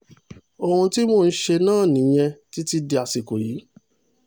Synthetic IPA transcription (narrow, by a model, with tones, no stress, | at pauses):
o˧hũ˧ti˦moː˦˨n̩˦ʃe˧nãː˦˨nĩ˨˦j̃ɛ̃˧ti˦ti˦di˧a˨si˨ko˨jiː˨˦